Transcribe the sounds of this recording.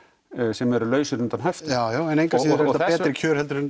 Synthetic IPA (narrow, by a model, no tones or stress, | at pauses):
sɛmɛɾʏlœːɥsʏʏnt̪anɦaft̪ajoːɛnejŋkaɾaɛɛːt̪ɾɪkʰœːɾ̥hɛlt̪ʏɾʏn